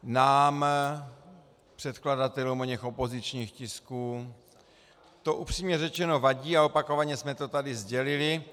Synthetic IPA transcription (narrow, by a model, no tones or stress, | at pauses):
naːm | pr̝̥ɛt̪kladat̪ɛlumoɲɛxo̞po̞zɪt͡ʃɲiːxcɪskuː | t̪o̞ʔupr̝̥iːmɲɛrɛt͡ʃɛno̞vaɟiːaopako̞vaɲɛsmɛt̪o̞t̪adɪzɟɛlɪlɪ